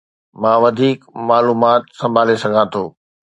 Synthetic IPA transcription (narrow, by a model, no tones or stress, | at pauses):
mãːʋɐd̪ʱiːkmaːluːmaːt̪sɐ̃mbʱaːlesɐɡʱãːt̪ʰoː